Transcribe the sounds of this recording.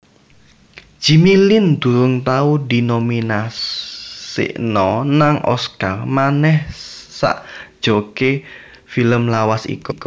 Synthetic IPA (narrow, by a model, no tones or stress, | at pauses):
ʒ̥i̤milɪnd̪̥ṳɾʊŋt̪audi̤nominassḭʔnɔnaŋʔɔ̰skarmanɛhsa̰ʔd̥ʒ̥oke | filəmlawasḭkuku